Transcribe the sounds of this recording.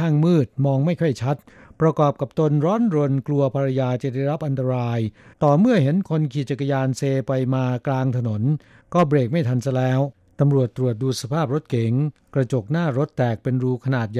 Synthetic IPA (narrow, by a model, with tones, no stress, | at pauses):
aː˥˩ŋmɯː˥˩t̪̚mɔː˧ŋma˥˩jkʰɔ˥˩jt͡ɕʰa˦˥t̪̚pɾa˧kɔː˨˩p̚ka˨˩p̚t̪o˧nɾɔː˦˥nɾo˧nklu˧ɐpʰa˧ɾa˧jaː˧t͡ɕa˨˩da˥˩jɾa˦˥p̚ʔa˧nt̪a˧ɾaː˧jt̪ɔː˨˩mɯ˥˩ɐɦe˩˦nkʰo˧nkʰiː˨˩t͡ɕa˨˩kːa˧jaː˧nseː˧pa˧jmaː˧klaː˧ŋt̪ʰa˧no˩˦n | kɔː˥˩bɾeː˨˩k̚ma˥˩jt̪ʰa˧nsa˧˩lɛː˦˥w | t̪a˧mɾu˨˩ət̪ːɾu˨˩ət̪̚duː˧˩t̪̚sa˧pʰaː˥˩p̚ɾo˦˥t̪̚ke˨˩˦ŋkɾa˧t͡ɕo˨˩k̚naː˥˩ɾo˦˥t̪ːɛː˨˩k̚pe˧nɾuː˧kʰa˧naː˨˩t̪̚ja˨